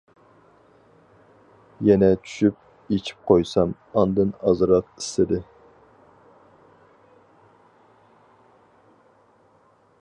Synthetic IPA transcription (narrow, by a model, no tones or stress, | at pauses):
jɛnɛt͡ʃʰy̥ʃyp̚ | et͡ʃʰi̥p̚qʰojsɑm | ɑnd̪ɨnɑzɾɑt̪̚i̥st̪ɪd̪ɪ